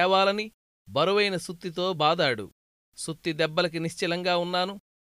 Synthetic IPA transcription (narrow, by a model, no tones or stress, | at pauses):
ɛːʋaːlɐni | bɐɾɐʋɐjnɐsut̪ːit̪o̞ːbaːd̪aːɽṵ | sut̪ːid̪ɛbːɐlɐk̬iniʃt͡ʃilɐŋɡaːunːaːnu